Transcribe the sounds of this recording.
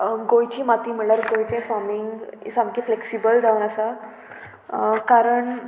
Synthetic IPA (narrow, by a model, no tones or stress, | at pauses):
ɡojt͡ɕiːmat̪iːmiɭəɾɡojt͡ɕẽfamiŋɡḭsamkifleksibəld͡zaʋunəsa | kaɾəɳ